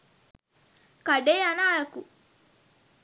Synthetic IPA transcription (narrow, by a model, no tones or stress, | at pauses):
kaɖeanaːjaku